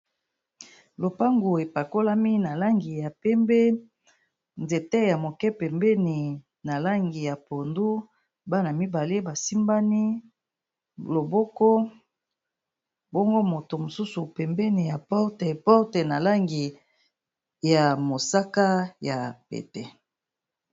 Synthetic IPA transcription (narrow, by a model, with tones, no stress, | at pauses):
lo˨pa˦ŋɡo˨e˨pa˨ko˦la˦mi˦na˨la˦ŋɡi˨ja˨pɛ˦mbe˦ | nze˨te˦ja˨mo˨kɛ˦pɛ˨mbɛ˦ni˨ | na˨la˦ŋɡi˨ja˨po˨ndu˦ | ba˦na˨mi˦ba˨le˦ba˨si˦mba˦ni˦ | lo˨bɔ˦kɔ˦ | bɔ˦ŋɡo˦mo˨to˨mo˨su˦su˨pɛ˨mbɛ˦ni˨ja˨pɔ˦te˨pɔ˦te˨na˨la˦ŋɡi˨ | ja˨mo˨sa˦ka˦ja˨pḛ˨tɛ˨